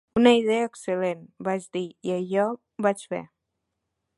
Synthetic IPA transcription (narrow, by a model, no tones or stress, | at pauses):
unəið̞ɛəːksəlenbaʒd̪iiəʎɔ | bat͡ʃfḛ